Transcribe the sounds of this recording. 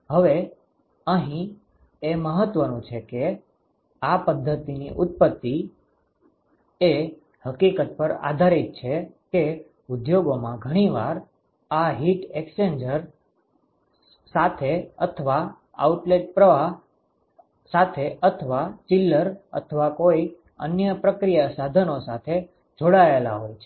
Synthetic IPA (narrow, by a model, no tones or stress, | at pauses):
ɦəʋe | əɦĩ | eməɦət̪ʋənũt͡ʃʰeke | apəd̪ʱːət̪iniʔʊt̪̚pət̪ːi | e | həkikət̪̚pəɾa̰d̪ʱaɾit̪̚t͡ʃʰeke | ud̪joɡomãɡʱəɽ̃iʋaɾ | aɦiʈeksend͡ʒəɾ | sat̪ʰeət̪ʰəʋa | a̰uʈleʈ̚pɾəʋa | sat̪ʰeət̪ʰəʋat͡ʃilːəɾə̰t̪ʰəʋakoi | ə̰njəpɾəkɾijasad̪ʱənosat̪ʰe | d͡ʒoɽaela̰ɦojt͡ʃʰ